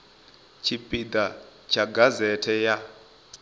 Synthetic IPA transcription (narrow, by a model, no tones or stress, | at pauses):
t͡ʃʰipʼid̪at͡ʃʰaɡazɛtʰɛja